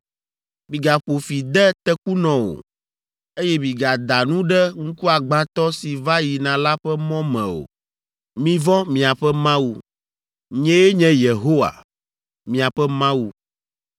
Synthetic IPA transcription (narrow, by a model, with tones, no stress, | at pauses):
mĩ˨ɡa˨ɸo˨fi˨d̪ɛ˦t̪ɛ˦ku˦nɔ̃˨wo̰˨ | e˦jɛ˦mĩ˨ɡa˨d̪a˨nũ˦ɖɛ˦ŋ̩˦ku˦a˨ɡ͡bã˨t̪ɔ˦si˨va˦ji˨nã˨la˦ɸɛ˦mɔ̃˦mɛ̰̃˨o̰˨ | mĩ˨vɔ̃˦mĩ˨a˨ɸɛ˦mã˦wu˨ | ɲɛ̃˦e˦ɲɛ̃˦je˨ɦo˦wa̰˨ | mĩ˨a˨ɸɛ˦mã˦wu˨